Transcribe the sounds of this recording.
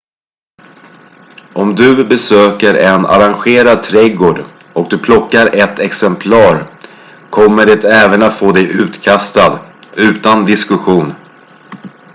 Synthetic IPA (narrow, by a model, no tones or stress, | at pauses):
ʔɔmd̪ɵbɛsøːkəɾɛna̰ɾanɧeːɾad̪̚t̪ʰɾɛɡoːɖ | ɔk̚d̪ɵpʰlɔkːaɾɛt̪ʰːɛksɛmpʰlɑːɾ | kʰɔmːəɖɛt̪ɛːvənat̪foːd̪ɛjʔʉ̟ːt̪kʰast̪ad̪ʉ̟ːt̪and̪ɪskɵɧuːn